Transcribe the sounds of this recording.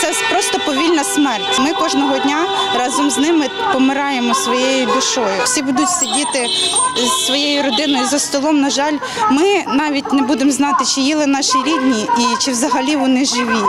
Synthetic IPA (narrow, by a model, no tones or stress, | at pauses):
t̪sɛpɾɔst̪ɔpɔʋʲilʲnɐsmɛrtʲmɪkɔʒnɔɦɔdʲnʲaɾɑzɔmznɪmɪ | pɔmɪɾɑjemɔsʋɔjejʊd̪ʊʃɔjʊwsʲibud̪ʊtʲsʲɐdʲit̪ɪzːʋɔjejʊɾɔd̪ɪnɔjʊzɐst̪ɔlˠɔmnɐʒɑlʲ | mɪnɑʋʲitʲnɛbud̪emznɑt̪ɪt͡ʃɪjilˠɪnɑʃiɾʲid̪ʲnʲiit͡ʃɪʋzɐɦɐlʲiʋɔnɪʒɪʋʲi